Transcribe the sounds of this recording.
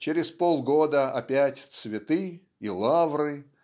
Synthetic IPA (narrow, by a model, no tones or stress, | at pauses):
t͡ɕɪɾʲɪspolˠɡo̞d̪əɐpʲætʲt̪svʲɪt̪ɨ | ilˠavɾɨ